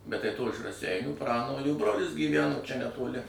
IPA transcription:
bʲɛt tɐɪ toː ɪʃ rɐˈsʲɛɪnʲuː ˈprɑːnoːlʲuː ˈbroːlʲɪs ɡʲiːˈʋʲæːnoː t͡ʃʲɛ nʲɛtoːˈlʲɪ

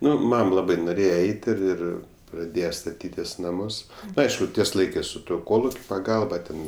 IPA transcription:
ˈnʊ ˈmɐm ˈlˠɑːbɐɪ noːˈrʲeːjɛ ˈɛɪtʲ ɪr ˈɪr prɐˈdʲeːjɛ stɐˈtʲiːtʲɪs ˈnɑːmʊs ˈɐɪʃkʊ ˈtʲiɛs ˈlˠɐɪkɜs sʊ ˈtuɔ ˈkoːlˠʊkʲʊ pɐˈɡɐlˠbɐ ˈtʲɛn

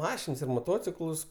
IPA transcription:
ˈmɑːʃʲɪns ɪr moːˈtoːt͡sʲɪklˠʊs

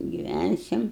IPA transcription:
ɡʲɪˈʋʲænʲsʲɪm

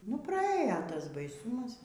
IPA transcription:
nʊ prɐˈeːjoː ˈtɐs bɐɪˈsuːmɐs

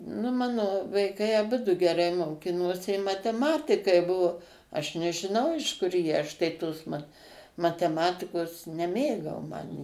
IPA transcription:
nʊ ˈmɑːnoː ʋɐɪˈkɐɪ ɐˈbʊdʊ ɡʲɛˈrɐɪ moːˈkʲɪnoːsʲɪ ɪ mɐtʲɛˈmɑːtʲɪkɐɪ ˈbʊʋoː ɐʃ nʲɛʒʲɪˈnɐʊ ɪʃ ˈkʊr jiɛ ˈɐʃ tɐɪ ˈtoːs mɐt mɐtʲɛˈmɑːtʲɪkoːs nʲɛˈmʲeːɡɐʊ ˈmɐn

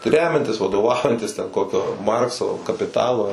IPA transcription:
ˈrʲæːmʲɛnʲtʲɪs ʋɐdoːˈʋɐʊjɛnʲtʲɪs tʲɛn ˈkoːkʲoː ˈmɐrksoː kɐpʲɪˈtɑːlˠoː

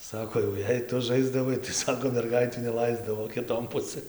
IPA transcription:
ˈsɑːkoː jɛʊ ˈjɛɪ ˈtʊ ˈʒɐɪzdɐʋɐɪ tɐɪ ˈsɑːkoː mʲɛrˈɡɐɪtʲuː nʲɛˈlˠɐɪzdɐʋoː kʲɪˈtoːn ˈpʊsɘn

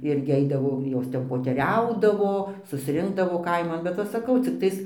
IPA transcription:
ˈɪrʲɡʲɪ ˈɛɪdɐʋoː ˈjoːs ˈtʲɛn poːtʲɛˈrʲɛʊdɐʋoː sʊsʲˈrʲɪŋɡdɐʋoː ˈkɐɪmɐn bʲɛt ˈʋɐ sɐˈkɐʊ t͡sʲɪkˈtɐɪs

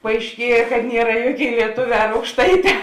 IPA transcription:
pɐɐɪʃʲˈkʲiɛjɛ kɐt ˈnʲiɛrɐ ˈjuɔˌkʲeːɪ lʲiɛˈtoːˌʋʲɛː ɐr ɐʊkʃˈtɐɪˌtʲɛː

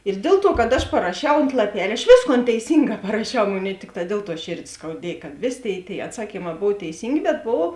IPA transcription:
ɪr ˈdʲeːlˠ ˌtuɔ kɐt ɐʃ pɐrɐˈʃʲɛʊ oːnt lˠɐˈpʲɛlʲ ɐʃ ˈʋʲeːsˌkoːn tʲɛɪˈsʲiːŋˌɡɑː pɐrɐˈʃʲɛʊ ˈmoːˌnʲeːɪ ˈtʲɪkˌtɑː ˈdʲiɛlˠ ˌtuɔ ˈʃʲeːrʲdʲeː skɐʊˈdʲiɛj kɐt ˈʋʲeːˌsʲeː ˈtʲeːɪ tʲeːɪ ɐtˈsɑːkʲiːˌmɑː ˈboːw tʲɛɪˈsʲiːŋʲɡʲeː bʲɛt ˈboːʋoː

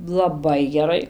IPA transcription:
lˠɐˈbɐɪ ɡʲɛˈrɐɪ

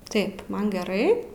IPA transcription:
ˈtɐɪp ˈmɐn ɡʲɛˈrɐɪ

